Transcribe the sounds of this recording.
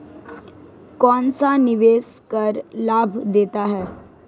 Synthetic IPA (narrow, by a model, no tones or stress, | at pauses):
kɔnt͡saniʋeskəɾlabʱd̪et̪aɦɛ